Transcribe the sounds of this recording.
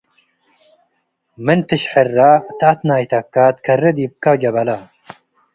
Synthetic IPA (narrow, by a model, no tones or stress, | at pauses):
mənt̪ɨɕħerːat̪at̪naːjt̪ɐkːaːt̪kʰɐrːed̪ib̚kad͡ʒɐbɐla